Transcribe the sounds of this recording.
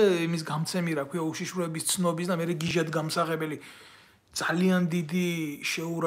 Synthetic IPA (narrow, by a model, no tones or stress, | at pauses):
imis̬ɡamt̪sʰɛmiɾakʰwiauʃiʃɾɛbist̪sʰnɔbisd̪amɛɾɛɡiʒad̪ɡamsaʁɛbɛli | d̪z̥aliand̪id̪iʃɛuɾ